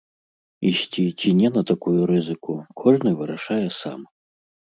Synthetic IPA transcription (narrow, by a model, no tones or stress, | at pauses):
iɕʲt͡sʲit͡sʲinʲɛnɐt̪akujuɾɨzɨkukʰɔʐnɨvɨɾaʂajɛsa̰m